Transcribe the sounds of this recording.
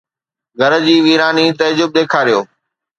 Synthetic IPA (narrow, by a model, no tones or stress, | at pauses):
ɡʱɐɾd͡ʑiːʋiːɾaːnit̪ɐd͡ʑʊb̚d̪eːkʰaːɾijoː